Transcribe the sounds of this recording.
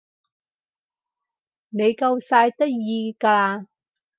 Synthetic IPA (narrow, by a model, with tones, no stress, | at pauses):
ne˨˧jkɐ˧wsaː˧jt̪ɐ˥k̚jiː˧kaː˧aː˧